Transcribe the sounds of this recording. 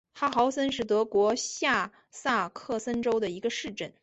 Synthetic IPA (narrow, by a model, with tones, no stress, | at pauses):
xa˥xɑ˧˥ʊsə˥nʂ̬ɻ̩˥˩t̪ɤ˧˥kwɔ˧˥ɕja˥˧ | sa˥˧kʰɤ˥˩sə˥nʈ͡ʂo˥ʊd̪ə˨i˧˥ɡə˧ʂɻ̩˥˩ʈ͡ʂə˥˩n